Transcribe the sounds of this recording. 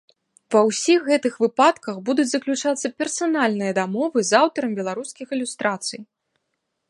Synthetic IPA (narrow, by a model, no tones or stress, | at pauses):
vɐwsʲixːɛt̪ɨxvɨpat̪kɐxbud̪ut͡sʲzɐklʲut͡ʂat̪sːɐpʲɛrsanalʲnɨjɐd̪amɔvɨzawt̪ɐɾɐmbʲɛlˠaɾuskʲixɨlʲust̪ɾʔat̪sɨj